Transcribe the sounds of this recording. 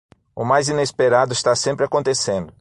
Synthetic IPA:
ʊmajzinespeɾad̪ʊɪst̪asẽmpɾɪakõnt̪esẽnd̪ʊ

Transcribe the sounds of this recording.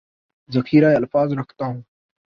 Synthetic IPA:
zəkʰiːɾaːeɐlfaːzɾɐkʰt̪aːɦũː

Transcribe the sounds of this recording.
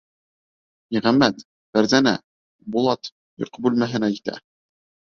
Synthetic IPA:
miʁæmːæt̪ | fæɾzænæ̰ | bulˠɑt̪ | jŏ̰qːɤbʉlmæɦɘ̆næit̪æ̰

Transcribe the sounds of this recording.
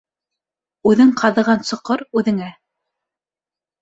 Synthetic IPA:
ʉðɘŋqʰɑðɤ̆ʁɑnsɤ̆qɤɾʉðɘ̆ŋæ

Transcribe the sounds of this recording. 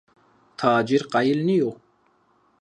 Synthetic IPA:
t̪ʰaːd͡ʑiɾqɑilnijo

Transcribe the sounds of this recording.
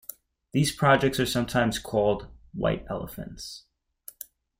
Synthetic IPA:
ðiz̥pʰɹ̥ɑd͡ʒɛk̚tsə˞sʌ̃mtʰãɪ̃mz̥kʰɔlˠd̚wa̰ɪɾɛ̰lˠə̰fɨ̰̃nts

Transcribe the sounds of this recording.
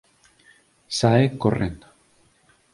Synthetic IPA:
saekorend̪a

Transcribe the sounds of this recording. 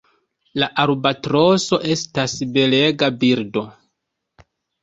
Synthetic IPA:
laʔaɾbatɾo̞so̞ʔe̞stasbe̞le̞ɡabiɾdo̞

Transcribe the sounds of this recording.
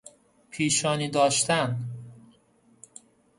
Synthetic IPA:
pʰiːʃɒːniːd̪ɒːʃt̪ʰæn

